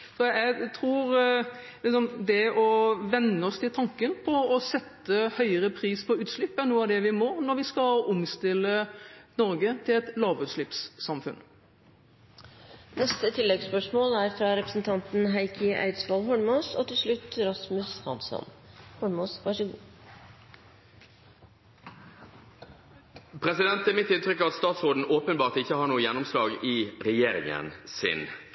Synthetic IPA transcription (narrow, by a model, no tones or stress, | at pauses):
sɔæt̪ʰɾuːɾ | lɪsɔmd̪ɛɔʋɛnːəɔst̪ʰɪlt̪ʰɑŋkənpʰɔɔsɛt̪ːəhœʏəɾəpʰɾiːspʰɔʉːt̪ʂɭɪpːæɾnuːəɑd̪ɛʋɪmoːɾnɔɾʋɪskɑʊmst̪ɪlːənɔɾɡət̪ʰɪlɛt̪lɑːʋʉːt̪ʂɭɪpsːɑmfʉ̰n | nɛst̪ət̪ʰɪlːɛɡspœʂmoːlæɾfɾɑɾɛpɾəsn̩t̪ʰɑnt̪n̩ɦæɪkʰɪʔæ̰ɪd̪sʋɑlɦɔɳmɑːso̰ːt̪ɪlsɭʉt̪ːɾɑsmʉshɑ̰nsɔ̰nhɔɳmoːsʋɑʂəɡuː | pʰʁɛsɪd̪ɛnt̪ɛmɪt̪ːɪnt̪ɾʏkːɑt̪st̪ɑːt̪sʁoːd̪n̩oːpənbɑːʁt̪ɪçːəhɑɳuːəjɛnːʊmslɑːɡɪʁɛjeːɾɪ̰ŋə̰nsɪ̰n